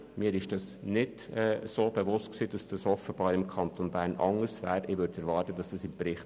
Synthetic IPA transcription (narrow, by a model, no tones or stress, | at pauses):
miːɾɪʃd̥ɑsnɪd̥ɛsoːb̥eʋʊst̚ksiːd̥ɑsd̥ɑshɔfəb̥ɑːɾɪmkʰɑnt̪onbæːɾnʔɑ̰ŋəɾsʋɛːɾɪʋʏɾdɛɾʋɑːɾtəd̥ɑsd̥ɑsɪmbɾɪχt